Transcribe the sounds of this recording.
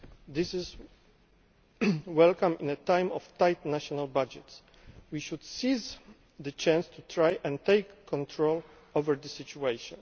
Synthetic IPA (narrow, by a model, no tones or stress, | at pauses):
d̪ɪsɪz | wɛlkãmĩnɛt̪ãjmɔft̪ajt̪naʃɔnalbad͡ʒɛts | wiʃud̪siz | d̪ət͡ʃãnst̪ʰut̪ɹajʔɛ̃nt̪ejkːɔ̃nt̪ʰɹol | ovɛɹd̪əsit͡ʃuejʃɔ̰̃n